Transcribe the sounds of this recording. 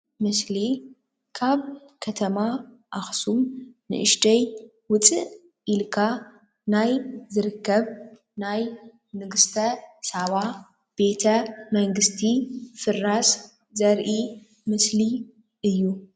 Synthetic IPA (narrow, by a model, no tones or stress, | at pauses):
mɨsli | kʰaβ | kʰɐt̪ʰɐma | ʔaxsumnɨ̰ʔɨʃt̪ɐj | wʊt͡sʼɨʔ | ʔilkʰa | najzɨɾɨkːɐβ | naj | nɨɡɨst̪ʰɐsaβa | b̥e̞t̪ʰɐmɐŋɡɨst̪ʰifɨras | zɐɾʔi | mɨsli | ʔɨjːu